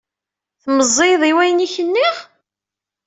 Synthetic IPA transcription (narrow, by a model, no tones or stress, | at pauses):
θməzˤːeðˤiwæjniçənːiʁ